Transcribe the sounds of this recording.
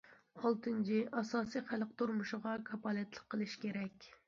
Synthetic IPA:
olˠt̪ʰɨnt͡ʃʰiʔɑsɑːsijχælq̚t̪uɾmuʃɪʁɑkʰɑpɑːlɛt̪lˠəqʰːəlˠɨʃkʲeɾɛkʲ

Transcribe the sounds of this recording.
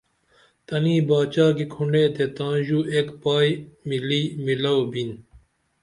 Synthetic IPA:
t̪ɐniːbaːt͡ɕaːkikʰuɳɖeːt̪ʰet̪ãːʑuːʔeːkpaːjmiliːmilɐobin

